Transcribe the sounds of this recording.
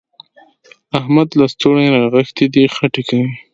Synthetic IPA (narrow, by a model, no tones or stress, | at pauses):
ahmad̪last̪oɽeɾaɣəxt̪id̪ixaʈekawi